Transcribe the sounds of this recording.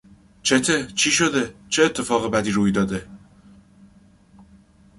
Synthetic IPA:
t͡ʃʰet̪ʰet͡ʃʰiːʃo̞d̪e̞t͡ʃʰeːt̪ʰːe̞fɒːɣebæd̪iːɾuːjd̪ɒːd̪e̞

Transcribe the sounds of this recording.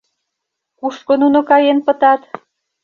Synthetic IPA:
kuʃkonunokɑjenpət̪ɑt̪

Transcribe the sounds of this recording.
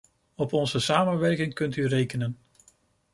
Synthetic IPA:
ɔpɔnzəsaːmənʋɛɹkɪŋkɵntyrejkənən

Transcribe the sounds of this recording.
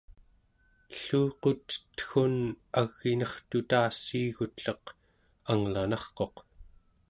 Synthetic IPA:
ɬuːqot̪ə̥t̪xunaɣːinʌχt̪ut̪aːsiːɣut̪ɬʌq | aŋlanɑχqo̞q

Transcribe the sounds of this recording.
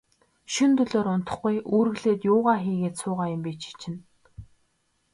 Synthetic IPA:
ʃɵnt̪ɵɮoːɾʊn̥t̪ɞ̆χɡujʔuːɾɘ̆ɣɮeːt̪jʊːʁaːxiːɣeːt̪sʊːʁaːjʊ̆mpiːt͡ɕʰi̥t͡ɕʰɪ̆n

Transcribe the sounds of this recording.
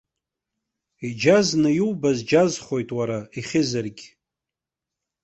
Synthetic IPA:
id͡ʒaznɨjiwbazd͡ʒazχo̞jtʼwaɾaiχʲɪzɨrɡʲ

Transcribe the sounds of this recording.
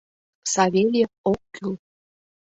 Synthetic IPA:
sɑβʲelʲĕokːyl

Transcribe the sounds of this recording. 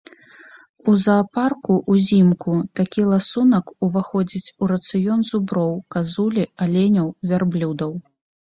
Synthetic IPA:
uzɐːparkuʔuzʲimkut̪akʲilˠasunɐkuvaxɔd͡zʲit͡sʲuɾɐt̪sɨjɔnzubɾɔwkazulʲialʲenʲɐwvʲarblʲud̪ɐw

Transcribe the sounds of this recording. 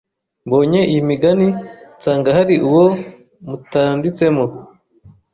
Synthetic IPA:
mbo̞ːɲe̞ʔijimiɡanit͡saːŋɡaɦaɾiʔuwo | mutaːndit͡se̞mo

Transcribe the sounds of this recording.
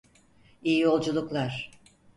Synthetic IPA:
ijijo̞lˠd͡ʒulˠuklˠaɾ̥

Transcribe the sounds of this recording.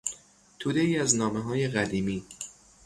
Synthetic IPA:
t̪ʰuːd̪e̞iːæznɒːmeɦɒːje̞ɣæd̪iːmiː

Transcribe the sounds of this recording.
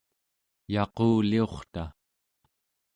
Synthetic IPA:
jɑqoːlio̞χt̪a

